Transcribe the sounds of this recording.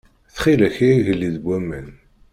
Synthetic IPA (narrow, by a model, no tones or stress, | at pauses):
θχilæçiiʝəlːiðbʷːæmːæn